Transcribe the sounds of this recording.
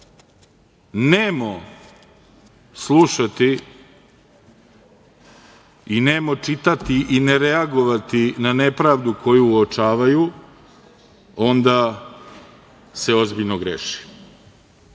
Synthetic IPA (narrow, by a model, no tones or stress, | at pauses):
neːmo | slˠuʃat̪i | ineːmot͡ʂit̪at̪iʔineɾeaɡo̞ʋat̪inane̞pɾaːʋd̪uko̞juːot͡ʂaːʋaju | o̞nd̪a | se̞o̞zbiʎnoɡɾḛʃi̥